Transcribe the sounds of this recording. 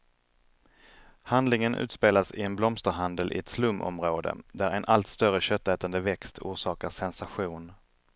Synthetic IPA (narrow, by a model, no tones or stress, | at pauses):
hand̪lɪŋənʔʉ̟̰ːt̪speːlasɪɛnblɔmst̪əɾɦand̪əlʔɪ̰ɛt̪slɵmːʔɔ̰mɾoːd̪ə̰d̪æɾɛnʔalt̪st̪œɾəɕœt̪ːɛːt̪and̪əvɛkst̪ʰṵːʂɑːkaʂɛnsaɧuːn